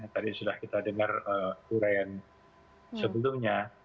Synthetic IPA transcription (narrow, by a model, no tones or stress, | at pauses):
at̪adisudahkit̪adəŋarəːmkuɾajan | səbəlʊmɲa